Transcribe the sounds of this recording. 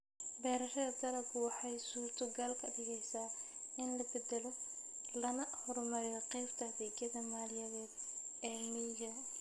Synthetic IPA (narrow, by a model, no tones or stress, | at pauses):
bɛːɾɐʃɐðɐd̪ɐlɐbʊwɑħɑjsuːrt̪ʰʊɡaːlkʰɐdɪɣɛjsaː | ɪnlɐbɛd̪ɛlɔ | lɐnɐhɔɾmɐɾɪjɔqɛjbt̪ʰɐhɐdɛːɡɐðɐmaːlɪjɐðɛːd̪ɛːnid͡ʒɐ